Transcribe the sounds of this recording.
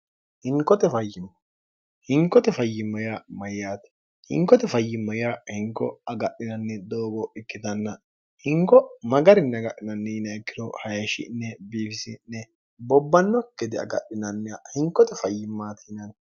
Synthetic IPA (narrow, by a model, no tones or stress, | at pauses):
hɪŋkːɔt̪ɛfɐjːɪmːɐ | hɪŋkːɔt̪ɛfɐjːɪmːɐjamɐjːaːt̪ɛ̥ | hɪ̰ŋkːɔt̪ɛfɐjːɪmːɐjahɪŋkːɔ̰ɐɡɐɗːɪnɐnːɛd̪oːbɔʔɪkːɪd̪ɐnːɐ | hɪŋkːɔmɐɡɐɾɪnːɛɡɐʔːɪnɐnːɛjnɐɛkːɪd̪ɔhɐjɐʃɪ̰nːɛbiːfɪsɪnːɛ | bɔbːɐnːɔkːɛd̪ɪɐ̰ɡɐ̰ɗɪnɐnːɛhɪŋkːɔt̪ɛfɐjːɪmːaːt̪ʰɪnɐn